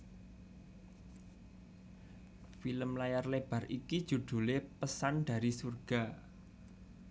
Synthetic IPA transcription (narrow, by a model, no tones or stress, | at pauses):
filəmlajarleb̥a̤rʔikid̥ʒ̥ṳd̪̥ṳlepəsanɖ̥a̤ɾisurɡ̥a̤